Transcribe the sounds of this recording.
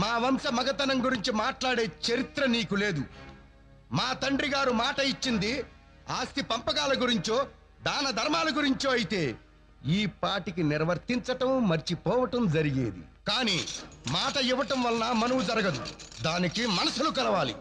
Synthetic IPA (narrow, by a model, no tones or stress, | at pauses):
maːʋɐmsɐmɐɡɐt̪ɐnɐŋɡuɾiɲt͡ʃimaːʈlaːɽe̞ːt͡ʃɐɾit̪ɾɐniːkule̞ːd̪u | maːt̪ɐɳɖɾiɡaːɾumaːʈɐit͡ʃːind̪i | aːst̪ipɐmpɐkaːlɐɡuɾiɲt͡ʃo̞ː | d̪aːnɐd̪ʱɐɾmaːlɐɡuɾiɲt͡ʃoːɐjit̪e̞ː | iːpaːɾʈik̬inɪɾʋɐɾt̪iɲt͡ʃɐʈɐmːɐɾt͡ʃipɔːʋɐʈɐmd͡ʒɐɾiɡḛːd̪ḭkaːniːmaːʈɐiʋːɐʈɐmʋɐlɐnaːmɐnɐwud͡ʒɐɾɐɡɐd̪ud̪aːnikimɐnɐsulukɐlɐʋaːlḭ